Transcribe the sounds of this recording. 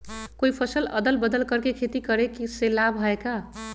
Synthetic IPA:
koipʰʌsəlʌ̰d̪əlbəd̪əlkʌɾkekʰet̪ikʌɾekiselabɦʌeka

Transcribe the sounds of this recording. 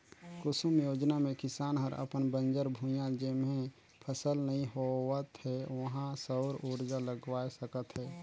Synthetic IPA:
kʊsəmjoːd͡ʒnamẽkɪsaːnɦəɾə̰pənbə̃nd͡ʒəɾbʱũjãd͡ʒemẽ | pʰəsəlnəɦĩɦoət̪ɦɛʋəɦãsəʊɾuːɾd͡ʒaləɡwaːesəkət̪ɦɛː

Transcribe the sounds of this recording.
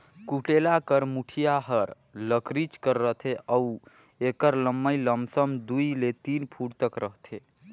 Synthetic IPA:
kuʈelakəɾmuʈʰijaɦəɾ | ləkɾit͡ʃkəɾːəɦt̪ʰeʔəu | ekəɾləmːəjləmsəmd̪ujlet̪inpʰuɽt̪əkɾəɦt̪ʰe

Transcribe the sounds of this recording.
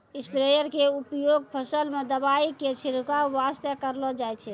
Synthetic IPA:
ispɾejəɾkeupjoɡ̚pʰəsəlmed̪əbaiket͡ʃʰiɾukaʋast̪ekəɾlɔd͡ʒajt͡ʃʰɛ

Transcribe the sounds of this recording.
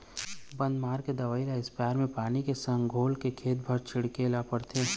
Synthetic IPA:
bɐ̃nd̪maːɾked̪ɐʋaːilaɪspaːɪɾmẽpaːnikesɐ̃ŋɡʱoːlkekʰeːt̪̚bʱɐɾt͡ʃʰɪɽkelapəɽt̪ʰe

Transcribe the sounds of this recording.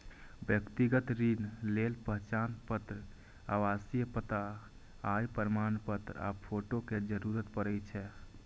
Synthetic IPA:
bjəkt̪iɡət̪ɾinlelpəɦt͡ʃanpət̪ɾə | a̰wasijəpət̪a | ajpəɾmanpət̪ɾəa̰pʰoʈoked͡ʒəɾuɾət̪pəɾəjt͡ʃʰɛ

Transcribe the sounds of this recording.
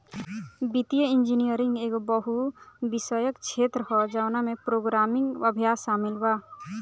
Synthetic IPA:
bit̪ijəɪ̃nd͡ʒinijəɾɪ̃ŋɡeːkbəɦubɪsəjəkt͡ʃʰeːt̪ɾəɦɔd͡ʒawnamẽpɾoːɡɾaːmɪ̃ŋɡəbʱjaːsaːmɪlwaː

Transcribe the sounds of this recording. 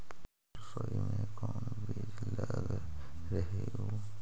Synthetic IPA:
sɔimẽkoːnbeːd͡ʒlaɡɾəɦeɡoː

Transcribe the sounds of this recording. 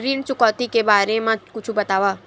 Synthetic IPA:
ɾiːnt͡ʃʊkɔːt̪ikebaːɾemãkʊt͡ʃʰubɐt̪aːʋaː

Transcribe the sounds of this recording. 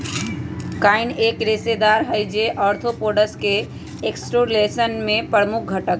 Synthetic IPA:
kainekɾesed̪aɾɦəjd͡ʒeʔəɾt̪ʰopoɖəske | eksʈoɾlesənmepɾəɾmuk̚ʰɡʱəʈək̚

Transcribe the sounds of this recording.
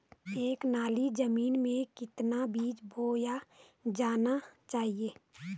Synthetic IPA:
eːknaːlid͡ʒəmiːnmẽkɪt̪nabiːt͡ʃbʱoːja | d͡ʒaːnat͡ʃaːɦieː

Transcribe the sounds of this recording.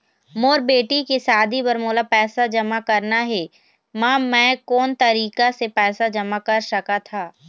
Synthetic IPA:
moːɾbeːʈikesaːd̪ʱibɐɾmoːlapɛːsad͡ʒɐmakɐɾnaɦɛː | maːmɛ̃ːkɔːnt̪ɐɾiːkasepɛːsad͡ʒɐmakɐɾʃɐkat̪ʰaː

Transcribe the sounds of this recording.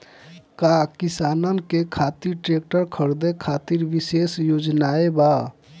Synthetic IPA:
kakisanənkekʰat̪iɾʈɾek̚ʈəɾkʰəɾd̪ekʰat̪iɾʋisesjod͡ʒnaeba

